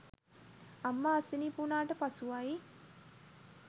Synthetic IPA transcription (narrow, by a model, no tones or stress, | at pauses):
amːaːsinipunaːʈəpasuʋai